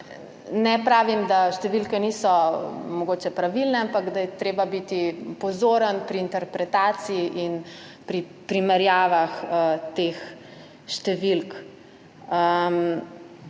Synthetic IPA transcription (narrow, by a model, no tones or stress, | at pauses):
nɛpɾaːʋimd̪aʃt̪ɛʋilkɛniːsɔmɔɡoːt͡ʃɛpɾaʋilnɛampakd̪ajɛt̪ɾeːbabit̪ipɔzoːɾənpɾiːnt̪ɛɾpɾɛt̪aːt̪siiʔin | pɾi | pɾimɛɾjaːʋaxət̪eːx | ʃt̪ɛʋilk | ə